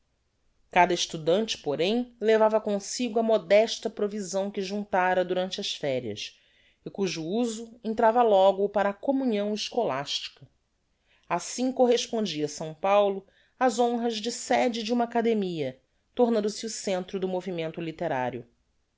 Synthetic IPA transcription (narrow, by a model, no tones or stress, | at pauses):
kad̪ɐɪʃt̪ud̪ɐ̃nt͡ʃɪ̥poɾẽj̃levavɐkõsiɡʊɐmod̪ɛʃt̪ɐpɾovizɐ̃w̃kɪʒũnt̪aɾɐd̪uɾɐ̃nt͡ʃɪɐʃfɛɾiɐ̰s | ɪkuʒuuzʊẽnt̪ɾavɐlɔɡʊpaɾɐːkomuɲiɐ̃w̃ɪʃkolaʃt͡ʃi̥kɐ | asĩŋkoɦeʃpõnd͡ʒiɐsɐ̃w̃pawlʊ | ɐzõɦɐʒd͡ʒɪsɛd͡ʒɪd͡ʒɪũmakad̪emiɐ | t̪oɾnɐ̃nd̪ʊsɪusẽnt̪ɾʊd̪ʊmovimẽnt̪ʊlit̪eɾa̰ɾjʊ